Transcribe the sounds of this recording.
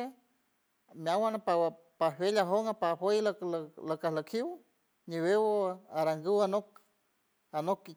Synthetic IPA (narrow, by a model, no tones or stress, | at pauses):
e | mjawanapawa | pawelaɦoŋapaɸojlkllakahlakʰiw | niwewoaɾaŋɡɨwanok̚ | anoki